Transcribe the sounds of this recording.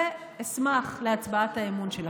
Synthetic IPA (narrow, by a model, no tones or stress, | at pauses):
e | esmaχleat͡sbaathaemunʃela